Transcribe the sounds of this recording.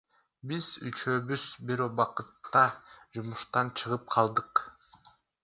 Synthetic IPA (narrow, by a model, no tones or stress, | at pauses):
biz̥y̰t͡ʃøːβyz̥biɾobɑqɯt̪ːɑd͡ʒumuʃt̪ɑnt͡ʃʰɯʁɯp̚qʰɑlˠd̪ɯq